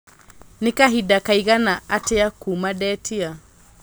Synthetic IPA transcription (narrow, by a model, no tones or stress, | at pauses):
nekaɦidakaiɣanaateakumadɛːtʰia